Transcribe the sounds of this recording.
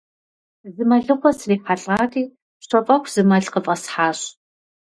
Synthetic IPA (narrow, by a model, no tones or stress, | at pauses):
zɨmɐɮɨχʷɔsriːħaɬʼaːtiː | ɕɐpʼɐxʷz̥ɨmɐɮqəfʼɐsħaːɕ